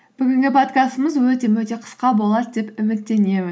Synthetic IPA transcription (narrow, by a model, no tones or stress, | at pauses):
b̥ɪɡʲɪŋɡʲɪpʰo̞t̪kʲast̪əməzwɵt̪e̞wɵt̪e̞qʰə̥sqɑbo̞lˠɑd̪d̪e̞pʏmɪt̪ːe̞ne̞mɪz